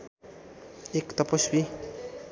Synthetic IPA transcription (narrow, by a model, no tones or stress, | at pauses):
ekt̪ʌpʌsbi